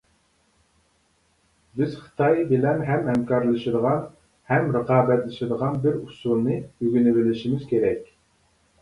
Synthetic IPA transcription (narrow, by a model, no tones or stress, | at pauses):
bɪz̥χɨ̥t̪ʰɑjbɪlɛnɦɛmhɛmkʰɑɾlˠɨʃid̪əʁɑn | hɛmɾəqɑːbɛt̪lɨʃid̪əʁɑnbɪɾusulˠnɨyɡʲynɪvɪlɪʃimɪzkʲʰeɾɛkʲ